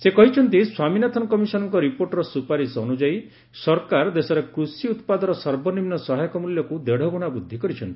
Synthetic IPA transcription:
sekɔɦit͡ʃʰɔnt̪̬iswaminat̪ʰɔnkɔmisɔnɔŋkɔɾipoɾʈɔɾɔsupaɾisɔnud͡ʒai | sɔɾkaɾd̪esɔɾekɾusiut̪pad̪ɔɾɔsɔɾbɔnimnɔsɔɦajɔkɔmuljɔkud̪eɽ̤ɔbɔɽ̃abud̪ʱːikɔɾit͡ʃʰɔnt̪i̥

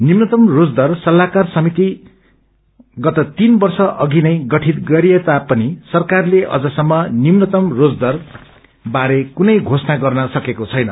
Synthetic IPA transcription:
nimnʌt̪ʌmrod͡zd̪ʌrsʌlːakarsʌmit̪i | ɡʌt̪ʌt̪inbʌrsʌʔʌɡinʌjɡʌʈʰit̪̚ɡʌɾiet̪apʌnisʌrkarleʔʌ̰d͡zʌsʌmːʌnimnʌt̪ʌmrod͡zd̪ʌr | baɾekunʌjɡʱosnaɡʌrnʌsʌkekot͡sʰʌjnʌ̰

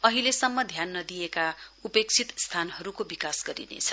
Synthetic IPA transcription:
ʌɦilesʌmːʌd̪ʱjanːʌd̪ijekaupek̚t͡sʰit̪st̪ʰanhʌɾukobikasɡʌɾḭnḛt͡sʰʌ̥

